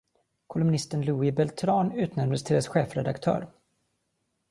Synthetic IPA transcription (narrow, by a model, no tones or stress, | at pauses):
kʰʊlɵmnɪst̪ənluːɪbɛlt̪ʰɾɑːnʉ̟ːt̪nɛɾmd̪əst̪ʰɪld̪ɛsɧeːfɾɛd̪a̰kt̪ʰœ̰ːɾ